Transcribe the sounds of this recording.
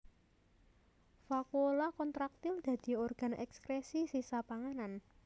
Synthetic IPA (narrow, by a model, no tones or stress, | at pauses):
fakuolakɔnt̪ɾak̚t̪ɪld̪̥ä̤d̪̥i̤ɔrɡ̥a̤nɛ̰kskɾesisisapaŋanan